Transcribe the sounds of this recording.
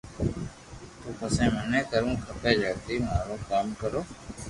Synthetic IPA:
t̪uːpəsẽːmənẽːk̪əɾũːkʰəpeːd͡ʒəːt̪iːmaːɾoːkaːmkəɾoː

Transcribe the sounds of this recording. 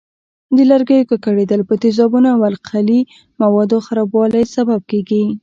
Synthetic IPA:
d̪əlaɾɡəjokakaɽed̪əlpət̪ɪzɑbunoawalqʰali | mawɑd̪oxaɾɑbwɑlajsabab̚keɡi

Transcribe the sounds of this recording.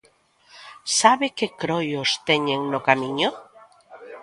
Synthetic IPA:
saβekekɾojost̪eɲeŋnokamiɲo

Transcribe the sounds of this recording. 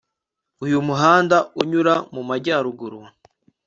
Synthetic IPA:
ujumuɦaːndauɲuɾamumaɾɟaːɾuɡuɾwa

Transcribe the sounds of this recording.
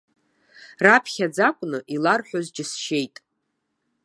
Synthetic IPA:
rapʰχʲad͡zakʷʼnɨʔilarħʷᶣozd͡ʒɪsʃe̞jtʼ

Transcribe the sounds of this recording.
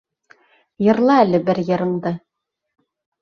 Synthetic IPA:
jɤ̆ɾlˠɑælɘbɘɾjɤ̆ɾɤ̆ɴd̪ɤ

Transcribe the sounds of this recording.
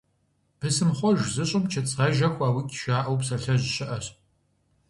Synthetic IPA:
pʰɨsɨmχʷɔʒzɨɕʼɪmt͡ʃʰɐt͡sʼʁɐʒɐxʷaːwiːkʲʼʃaːʔɐwpsɐɬɐʑɕɪʔɐɕ

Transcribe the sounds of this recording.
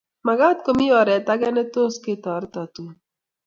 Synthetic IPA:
maɡat̪̚komiɔɾɛt̪aɡɛnet̪osket̪ɔɾt̪ɔt̪u

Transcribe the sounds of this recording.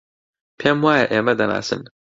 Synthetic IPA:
pʰɛmwaːjaʔemɐd̪ɐna̰ːsɪ̰n

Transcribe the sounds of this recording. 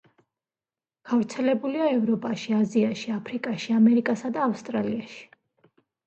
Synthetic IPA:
ɡ̥avɾt̪sʰɛlɛbuliaɛvɾɔpʼaʃiaziaʃiapʰɾikʼaʃiamɛɾikʼasad̪aːfst̪ʼɾaliaʃi̥

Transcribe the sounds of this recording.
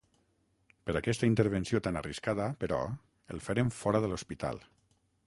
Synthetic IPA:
pəɾakɛst̪aint̪əɾβ̞ənsiot̪anariskaðəpəɾɔ̰ | əlˠfəɾeɱfɔɾəðəlospit̪a̰lˠ

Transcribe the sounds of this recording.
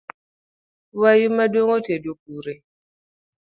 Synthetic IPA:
wajumadoŋotedok̚uɾe

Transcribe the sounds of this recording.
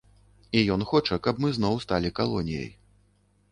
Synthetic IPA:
ijɔn̪xɔt͡ʂɐkɐbmɨznɔwst̪alʲikalˠɔnʲijɐ̰j

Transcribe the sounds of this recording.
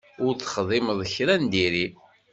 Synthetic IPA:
ʊɾt͡sːə̥χðˤɪməðˤəçɾænd̪iɾi

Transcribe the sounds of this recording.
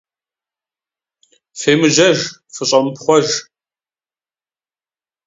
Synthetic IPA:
feːmɨʒɐʒfɨɕʼɐmpχʷɔʒ

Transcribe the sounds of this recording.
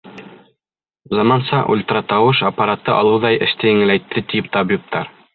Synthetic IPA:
zɑmɑnsɑʔṵlʲt̪ɾɑt̪ɑwɤʃapːaɾat̪ːɤʔɑlˠɤwðɑjɘ̆ʃt̪ɘjɘ̆ŋɘ̆læjt̪ʰːɘt̪ip̚t̪ɑbjup̚t̪ɑɾ

